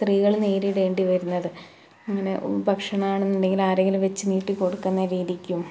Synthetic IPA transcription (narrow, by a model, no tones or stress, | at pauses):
st̪riːɣɐɭneːɾiɽʋe̞ːɳɖiʋɐɾunːɐðɨ | ɐŋːɐne̞ʔo̰ɾubʱɐkʂɐɳɐmaːɳenːuɳɖe̞ŋɡilaːɾeŋɡilʋɐt͡ɕːɨniːʈːiko̞ɽukːunːɐɾiːðikʲːum